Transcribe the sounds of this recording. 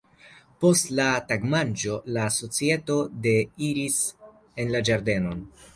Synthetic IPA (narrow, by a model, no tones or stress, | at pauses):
po̞stlataɡmand͡ʒo̞laso̞t͡sie̞to̞de̞iɾis | e̞nlad͡ʒaɾde̞no̞n